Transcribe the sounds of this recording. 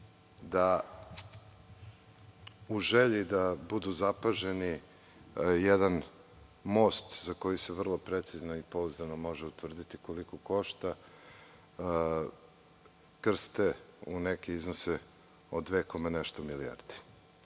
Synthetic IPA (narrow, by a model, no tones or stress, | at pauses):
d̪a | uʒeʎid̪abud̪uzapaʒeni | jed̪an | mo̞st̪zako̞jiseʋr̩lˠo̞pɾet̪siznoipo̞uzanomo̞ʒeut̪ʋr̩d̪it̪iko̞likoko̞ʃt̪a | kr̩st̪eunekeiznose | od̪ʋeko̞meneʃt̪omilia̰rd̪i̥